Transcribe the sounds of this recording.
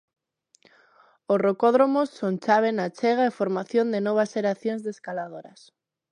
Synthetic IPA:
osrokoðɾomosːont͡ʃaβ̞enat͡ʃɛɣ̞aefoɾmaθjond̪enoβ̞asʃeɾaθjõŋzðeskalaðoɾɐs

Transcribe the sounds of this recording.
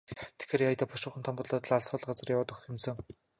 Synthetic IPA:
t̪ʰe̥xeːɾjajt̪ăːpʰʊʃʊ̆ːχə̆nt̪ʰɔmpʊɮɔːt̪ə̆ɮaɮsχɔːɮ̆qɢat͡sə̆rjawaːt̪ɵx̆xɪ̆msɘ̆ŋ

